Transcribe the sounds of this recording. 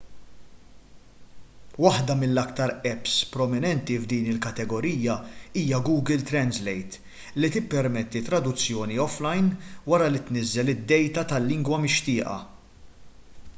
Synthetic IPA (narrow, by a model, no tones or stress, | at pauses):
wɐħd̪ɐmɪlːɐkt̪ɐɾɛpspɾɔmɪnɛnt̪ivd̪iːnɪlkɐt̪ɛɡɔɾiːɐiːjɐɡuːɡɪlt̪ɾɛnzlɛjt̪ | lit̪ɪpːɛɾmɛt̪ːit̪ɾɐd̪ʊt͡sːjɔːniɔflɐjnwɐɾɐlɪt̪nɪzːɛlɪd̪ːɛjt̪ɐt̪ɐlːɪŋɡwɐmɪʃt̪ɪːʔɐ̰